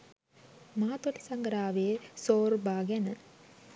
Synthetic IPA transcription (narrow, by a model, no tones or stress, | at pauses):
maːt̪olisɐŋɡɾaːʋeesoːɾbʱaːɡjanə